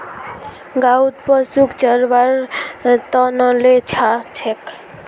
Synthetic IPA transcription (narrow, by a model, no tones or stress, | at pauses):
ɡaud̪̚pəsukt͡ʃəɾbaɾt̪ɔnəlet͡ʃʰat͡ʃʰek